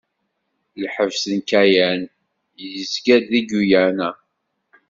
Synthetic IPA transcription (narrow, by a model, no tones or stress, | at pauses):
lħəvsənkæjæn | jəjəzɡæd̪iɡujænæ